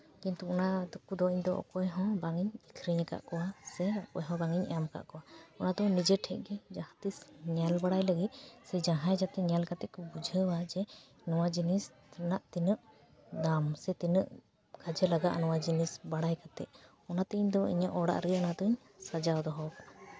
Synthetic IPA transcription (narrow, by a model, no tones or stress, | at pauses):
kint̪uɔnad̪ukud̪ɔiɲd̪ɔɔ̰kɔjɦɔ̃baŋiɲikʰɾiɲaka̰ʔkɔwasɛɔkɔjɦɔ̃baŋiɲɛ̰amka̰ʔkɔwaɔnad̪ɔnid͡ʒɛʈʰɛʔ̚ˀɡɛd͡ʒahãt̪isɲalbaɽajləɡit̪̚ˀsɛd͡ʒaɦãjd͡ʒat̪ɛɲalkat̪ɛʔkɔbud͡ʒʱəwad͡ʒɛ | nɔwad͡ʒinis | naʔt̪inəʔ | d̪amsɛt̪inəʔ | kʰad͡ʒɛlaɡaʔnɔwad͡ʒinisbaɽajkat̪ɛ̰ʔ̚ | ɔnat̪ɛʔiɲd̪ɔḭɲaʔɔɽa̰ʔɾəɔnat̪ɔɲ | sad͡ʒawd̪ɔɦɔkaa